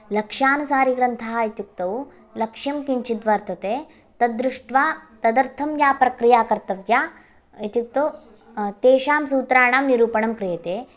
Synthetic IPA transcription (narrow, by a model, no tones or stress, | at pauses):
lɐkʂaːnusaːɾiɡɾɐnt̪ʰaɦait̪juk̚t̪ɐw | lɐkʂjɐmkiɲt͡ʃid̪ʋɐɾt̪ʰɐt̪eː | t̪ɐd̪ɾuʂʈʋaːt̪ɐd̪ɐɾt̪ʰɐmjaːpɾɐkɾijaːkɐɾt̪ɐʋjaː | it̪juk̚t̪ɐw | t̪eːʃaːmsuːt̪ɾaːɳaːmniɾuːpɐɳɐmkɾijɐt̪eː